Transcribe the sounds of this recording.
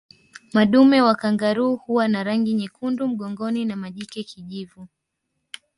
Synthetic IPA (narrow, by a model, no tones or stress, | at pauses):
maɗumɛwakaŋɡaɾuːhuwanaɾaŋɡiɲikundum̩ɠɔŋɡɔninamaʄikɛkiʄivu